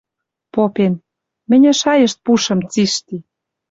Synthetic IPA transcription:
popen | mɘ̆nʲɘ̆ʃɑjə̆ʃt̪̚puʃə̆mt͡siʃt̪i

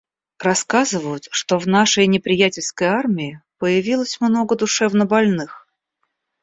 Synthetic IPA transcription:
rɐskazɨvəjʊt̪ʂt̪ovnaʂəjnʲɪpɾʲɪjætʲɪlʲskəjarmʲɪɪpəjɪvʲilˠəsʲmno̞ɡəd̪ʊʂɛvnəbɐlʲnɨx

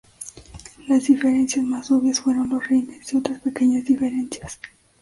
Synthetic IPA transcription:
lazðife̞ɾe̞nsjasmasoβjasfwe̞ɾo̞nlosrijnesdio̞t̪ɾaspe̞ke̞ɲazðife̞ɾe̞nsjas

